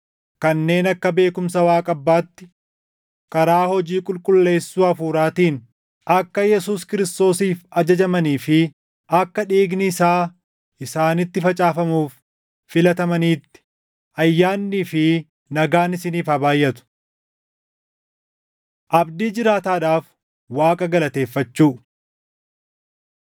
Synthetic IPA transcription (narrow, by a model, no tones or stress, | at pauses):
kɐnːe̞ːnɐkːɐbe̞ːkʊmsɐwaːkʼɐbːaːt̪ːɪ̥ | kɐɾaːhɔd͡ʒiːkʼʊlkʼʊlːe̞ːsːuːɐfuːɾaːt̪iːn | ʔɐkːɐjɛsuːskɪɾɪst̪o̞ːsiːfɐd͡ʒɐd͡ʒɐmɐniːfɪ | ʔɐkːɐᶑiːɡnɪɪsaː | ʔɪsaːnɪt̪ːɪfɐt͡ʃʼaːfɐmuːfː | ɪlɐt̪ɐmɐniːt̪ːɪ̥ | ʔɐjːaːnːiːfɪ | nɐɡaːnɪsɪniːfɐbaːjːɐt̪ʊ̥ | ʔɐbd̪iːd͡ʒɪɾaːt̪aːᶑaːf | waːkʼɐɡɐlɐt̪e̞ːfːɐt͡ʃːuː